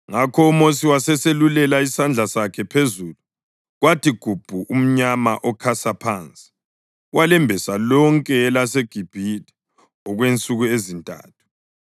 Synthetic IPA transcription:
ŋakʰɔumosiwasɛselulɛlaisand͡ɮʱasakʰɛpʰezulu | ɣwatiɡ̥ʱub̥ʱuʔum̩ɲama̰ʔɔkʰasapʰant͡sʼi | walɛmbʱɛsalɔŋkʼɛːlaseɡ̥ʱib̥ʱitɛ̥ | ɔɣwent͡sʼuɣuezintʼa̰ːtʰu̥

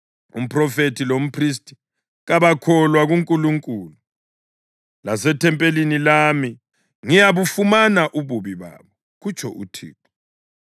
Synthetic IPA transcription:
ṵm̩pʰʼrɔfetʰilom̩pʰris̬tʰʼi̥ | ɣaβakʰɔlwaɣuŋkʼuluŋkʼuːlu | lasɛtʰɛmpʼelinilami | ŋijaβufumanaʔuβuβiβa̰ːβɔ | ɣut͡ʃʰʼɔ̰ʔutʰḭːk̚ɔ

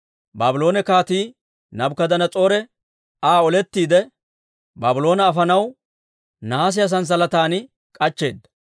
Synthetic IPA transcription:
baːbɪlo̞ːnɛkaːt̪iː | nɐbkɐd̪ɐnɐt͡sʼo̞ːɾɛ | aːɔlɛt̪ːiːd̪ɛ | baːbɪlo̞ːnɐːfɐnɐw | naːs̬ɪjɐs̬ɐns̬ɐlɐt̪aːnɪ | kʼɐt͡ʃːe̞̰ːd̪ːɐ̥

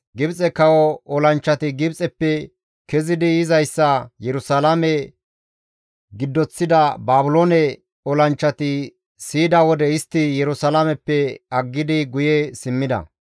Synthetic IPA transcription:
ɡɪbt͡sʼɛkɐwɔɔlɐnt͡ʃːɐt̪ɪɡɪbt͡sʼɛpːɛ | kɛzɪd̪ɪɪzɐjsːɐjɛɾʊsɐlamɛ | ɡɪd̪ːɔt͡sːɪd̪ɐbaːbʊloːnɛ | ɔlɐnt͡ʃːɐt̪ɪ | siːd̪ɐwɔd̪ɛɪst̪ːɪjɛɾʊsɐlamɛpːɛɐɡːɪd̪ɪɡʊjɛsɪmːɪd̪ɐ̰

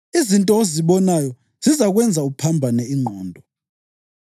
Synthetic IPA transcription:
izintʼɔoziɓɔnajɔ | z̥izaɣ̬wɛnd͡zʱaupʰambʱanɛiŋ͡ǃʱɔːndʱɔ

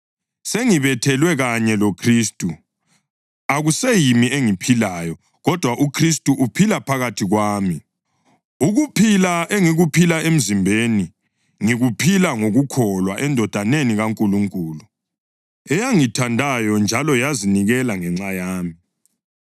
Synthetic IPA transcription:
seŋiβɛtʰɛlwɛɣaɲɛlokʰristʼu | aɣusejimieŋipʰilajɔ | ɣɔd̥ʱwaʔukʰristʼuʔupʰilapʰaɣatʰiɣwaːmi | uɣupʰilaʔeŋiɣupʰilaem̩zimbʱeni | ŋiɣupʰilaŋoɣukʰɔlwaʔɛndʱɔd̥ʱaneniɣaŋkʼuluŋkʼuːlu | ɛjaŋitʰandʱajɔnd͡ʒʱalɔjaziniɣɛlaŋɛŋ͡ǀajaːmi

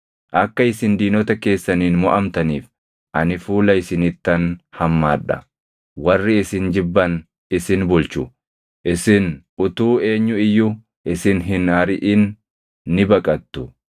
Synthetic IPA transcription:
ʔɐkːɐɪsɪnd̪iːnɔt̪ɐke̞ːsːɐniːnmɔʔɐmt̪ɐniːf | ʔɐnɪfuːlɐɪsɪnɪt̪ːɐnhɐmːaːᶑɐ̰ | wɐrːɪɪsɪnd͡ʒɪbːɐn | ɪsɪnbʊlt͡ʃʊ | ʔɪsɪn | ʊt̪uːe̞ːɲːʊɪjːʊ | ʔɪsɪnɦɪnɐɾɪʔɪnː | ɪbɐkʼɐt̪ːʊ

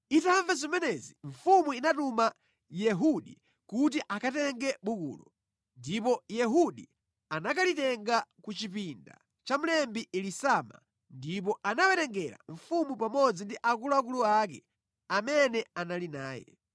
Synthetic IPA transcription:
itaaɱvɛzimɛnɛziɱfumuinatuma | jɛɦuɗi | kut̬iʔakatɛŋɡɛɓukṵːlɔ | ndipɔjɛɦuɗi | anakalitɛŋɡakut͡ʃipinda̰ | t͡ʃam̩lɛmbiʔilisama̰ | ndip̬ɔʔanawɛɾɛŋɡɛɾa̰ɱ̩fumupamɔd͡zindiʔakulɔakuluak̬ɛ̰ | amɛnɛanalinaːjɛ̰

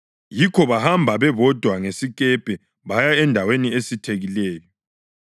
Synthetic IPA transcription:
jikʰɔβahambʱaβɛβɔd̥ʱwaŋesik̬ʼɛb̥ʱʼɛ | βajaɛndʱaweniesitʰeɣilɛːjɔ

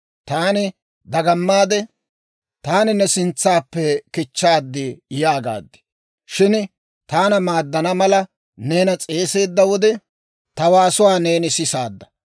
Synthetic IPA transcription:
t̪aːnɪ | d̪ɐɡɐmːaːd̪ɛ | t̪aːnɪnːɛsɪnt͡sːaːpːɛkɪt͡ʃːaːd̪ːɪjaːɡa̰ːd̪ːɪ̥ | ʃɪn | t̪aːnɐmaːd̪ːɐnɐmɐlɐ | ne̞ːnɐt͡sʼe̞ːse̞ːd̪ːɐwɔd̪ɛ | t̪ɐwaːsʊwaːne̞ːnɪsɪsaːd̪ːɐ̥

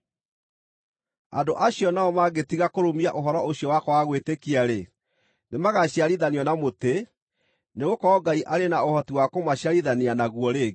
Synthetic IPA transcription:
a̰ndoʔaɕjɔnaɔmaɡetiɣakoɾomiaʔoɦɔɾɔoɕjɔwakɔwaɣwetekiaɾe | nemaɣaɕjaɾiðaniɔnamote | neɣokɔɔɡaiʔaɾenaohɔtiwakomaɕjaɾiðaneanaɣwɔɾeɣ

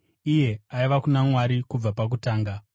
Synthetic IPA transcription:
ije̞aiʋakunamwaɾikub͡vapak̬utaːŋɡa

